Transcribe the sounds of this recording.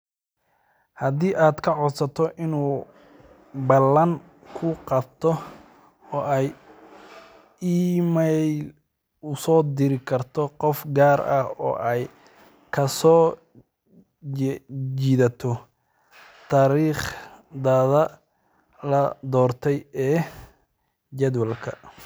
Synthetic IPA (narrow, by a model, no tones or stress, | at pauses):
hɐd̪iːʔaːd̪kʰɐʕɔd̪sɐt̪ʰɔʔɪnuː | bɐlɐŋ | kʰʊqɑb̚t̪ʰɔ | ɔːʔɛj | iːmɛl | ʊsɔːd̪ɪɾɪkʰɐrt̪ʰɔqɔfɡaːɾɐhɔ̰ːʔɛj | kʰɐsɔː | d͡ʒiːðɐt̪ʰɔ | t̪ʰaːɾiːχd̪aːðɐ | lɐd̪ɔːrt̪ʰɛjɛː | d͡ʒɛd̪wɐlkʰɐ̰